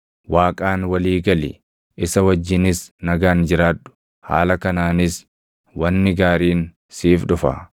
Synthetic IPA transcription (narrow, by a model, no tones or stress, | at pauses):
waːkʼaːnwɐliːɡɐlɪ̰ | ʔɪsɐwɐd͡ʒːɪnɪsnɐɡaːnd͡ʒɪɾaːtːʊ̥ | ha̰ːlɐkɐnaːnɪs | wɐnːɪɡaːɾiːn | siːfᶑʊfɐ̰